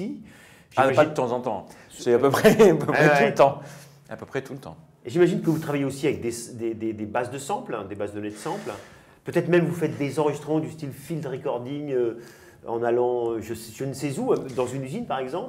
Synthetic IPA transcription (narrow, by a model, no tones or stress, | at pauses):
i | ʒaʒpaid̪ət̪ɑ̃zɑ̃t̪ɑ̃ | sɛapøpχɛapøɛut̪ɑ̃ | apøpχɛt̪ʰulət̪ɑ̰̃ | eʒimaʒinkəvut̪χavajeosiavɛk̚d̪esd̪ed̪ed̪ebazd̪əsɑ̃pld̪ebazd̪ənɛd̪sɑ̃pl | pøt̪ɛt̪χmɛmvufɛt̪̚d̪ezɑ̃ʁəʒist̪χəmɑ̃d̪yst̪ilfild̪ʁekɔʁd̪iŋø | ɑ̃nalɑ̃øʒəsʒ̥ənəsɛzud̪ɑ̃zynyzinpaʁɛɡzɑ̃p